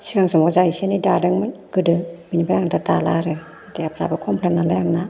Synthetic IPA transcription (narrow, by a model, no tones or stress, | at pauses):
siɡaŋsɔmɔzaisenidadɯŋmɯnɡ̥ɯdɯbinibajaŋdada̰laɾɯ | ateapʰɾa̰bɯkʰɔmpʰlenːalajaŋna